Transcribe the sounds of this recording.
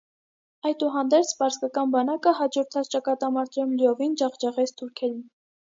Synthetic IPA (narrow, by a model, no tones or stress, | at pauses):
ɑjt̪uɦɑnd̪ɛɾt͡sʰpɑɾskɑkɑnbɑnɑkəhɑd͡ʒɔɾt̪ʰɑt͡sʰt͡ʃɑkɑt̪ɑmɑɾt̪ʰɾumliɔvind͡ʒɑχd͡ʒɑʁɛt͡sʰt̪ʰuɾkʰɛɾin